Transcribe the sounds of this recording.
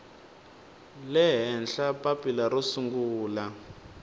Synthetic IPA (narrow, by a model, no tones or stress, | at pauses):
lɛɦɛnɬapapilaɾusuŋɡuːla